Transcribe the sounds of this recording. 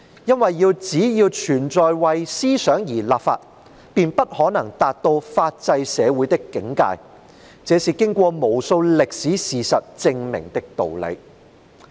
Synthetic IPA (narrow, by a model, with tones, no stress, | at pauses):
jɐ˥nwɐ˨jːiː˧wt͡siː˨˥jiː˧wt͡ʃʰyː˨˩nt͡sɔː˨jwɐ˨jsiː˥sœː˨˥ŋjiː˨˩laː˨p̚fa̰ː˧t̚ | piː˨npɐ˥t̚hɔː˨˥nɐ˨˩ŋt̪aː˨t̚t̪o˧wfaː˧t̚t͡sɐ˧jsɛː˨˧wuː˨˥jt̪ɪ˥kːɪ˨˥ŋka̰ː˧j | t͡sɛː˨˥siː˨kɪ˥ŋkʷɔː˧mo˨˩wso˧wlɪ˨k̚siː˨˥siː˨sɐ˨t̚t͡sɪ˧ŋmɪ̰˨˩ŋt̪ɪ˥k̚t̪o̰˨wlḛ˨˧j